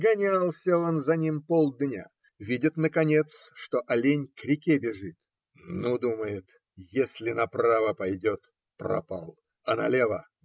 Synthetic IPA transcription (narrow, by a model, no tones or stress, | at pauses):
ɡɐnʲalˠsʲəo̞nzɐnʲimpolˠd̪nʲa̰ | vʲidʲɪt̪nəkɐnʲet̪sʂt̪oʔɐlʲenʲkɾʲɪkʲebʲɪʐɨt̪ | nud̪uməjɪt̪ | jesʲlʲɪnɐpɾavəpɐjdʲot̪ | prɐ̰pa̰lˠ | ɐnɐlʲevə